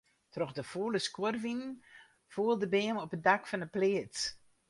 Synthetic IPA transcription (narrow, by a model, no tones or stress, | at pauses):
trɔxdəfoːləskworvinn | fuːəlˠdəbeːmɔpədakfɔnəpleət